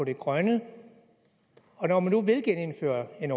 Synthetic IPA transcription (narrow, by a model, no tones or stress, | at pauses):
ɒ̽ɾ̥e̝ɡ̥ʁɶnə | ɒ̽nɒmænːuʋe̝lɡ̥ene̝nfø̰ːɐe̝nɒ